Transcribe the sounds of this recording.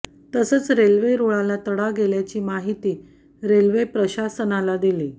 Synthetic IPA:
t̪əsəːt͡sɾelʋeɾoɭalat̪əɽaɡeljat͡ɕiːmaɦit̪iː | ɾelʋepɾəɕasənalad̪iliː

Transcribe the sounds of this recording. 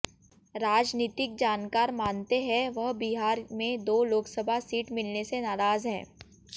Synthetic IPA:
ɾaːd͡ʒniːt̪ɪk̚d͡ʒaːnkaːɾmaːnt̪eɦɛ̃ʋɐɦbiɦaːɾmẽd̪oːloːksəbʱasiːʈmɪlnesenaːɾaːzɦɛ̰̃ː

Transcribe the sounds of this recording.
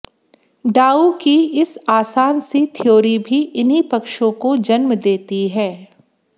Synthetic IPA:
ɖaːukiɪsaːsaːnset̪ʰɪjoːɾibʱiɪnɦipɐkʃõkod͡ʒɐnmd̪eːt̪iɦɛː

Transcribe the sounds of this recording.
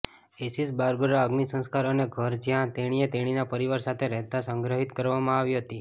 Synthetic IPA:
esisbaɾɡoɾaəɡnisə̃ñskaɾəneɡʱəɾd͡ʒjãt̪eɽ̃iet̪eɽ̃inapəɾiʋaɾsat̪ʰeɾɛɦt̪asə̃ŋɡɾəɦit̪kəɾʋamãaʋiɦət̪i

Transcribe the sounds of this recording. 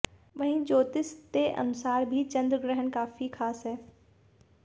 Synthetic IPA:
ʋɐɦĩd͡ʒoːt̪ɪst̪eʔɐ̰nʊsaːɾbʱit͡ʃɐ̃nd̪ɾɡɾɛɦənkaːfixʰaːsɦɛː

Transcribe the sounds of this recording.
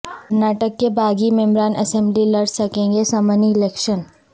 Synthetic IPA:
kɐɾnaːʈəkːebʱaːɡimɛ̃mɾaːnʔɐ̰sɛ̃mblilɐɽsɐkẽːŋɡesɐməniɪlɛːkʃən

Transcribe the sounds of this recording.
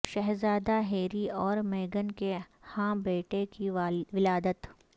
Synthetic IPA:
ʃɛɦzaːd̪aɦeːɾiɔːɾmeːɡənkehãːbeːʈekiʋɪlaːd̪ət̪

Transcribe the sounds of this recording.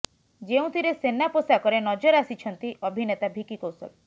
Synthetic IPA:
d͡ʒeũt̪ʰiɾesenaposakɔɾenɔd͡ʒɔɾasit͡ʃʰɔnt̪iʔɔbʱinet̪abʱikikosɔ̰l

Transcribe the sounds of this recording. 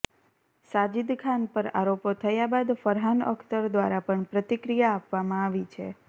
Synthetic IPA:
sad͡ʒid̪kʰanpəɾa̰ɾopot̪ʰəjabad̪fəɾɦanə̰kʰt̪əɾd̪ʋaɾapəɳpɾət̪ikɾijaːpʋamãaʋit͡ʃʰḛ

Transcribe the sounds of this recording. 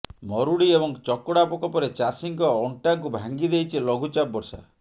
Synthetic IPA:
mɔɾuɽiebɔŋt͡ʃɔkɔɽapɔkɔpɔɾet͡ʃasiŋkɔɔɳʈaŋkubʱaŋɡid̪ejt͡ʃʰilɔɡʱut͡ʃap̚ːɔɾsa̰

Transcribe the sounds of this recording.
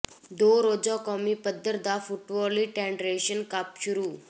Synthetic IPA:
d̪oɾod͡zɔkɔmipəd̪ʱːəɾd̪afuʈʋɔliʈɛ̃ɳɖɾeɕənkapɕuɾu

